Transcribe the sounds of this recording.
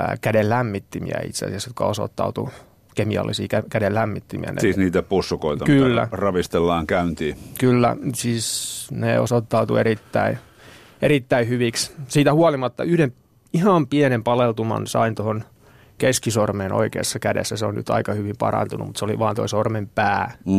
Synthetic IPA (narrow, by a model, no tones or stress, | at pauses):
kædellæmːit̪ːimḭæ̰ḭt̪seɑ̰siɑsjot̪kɑoso̰t̪ːɑ̰ut̪u | kemiɑ̰lːisiːkækædellæmːit̪ːimḭæ̰nḛsiːniːt̪æpusːukoit̪ɑkylːæ̰rɑʋist̪elːɑːŋkæynt̪iːkylːæ̰siːsnḛo̰sot̪ːɑut̪ueɾit̪ːæi | erit̪ːæihyʋikssiːt̪æhuɑlimɑt̪ːɑyhdem | ihɑmpienempɑlelt̪umɑ̰nsɑ̰int̪ohon | keskisormeːno̰ikḛːsːɑkædḛsːæseonny̰t̪ɑ̰ikɑhyʋimpɑ̰rɑ̰nt̪unumut̪seoliʋɑːnt̪oisormempæː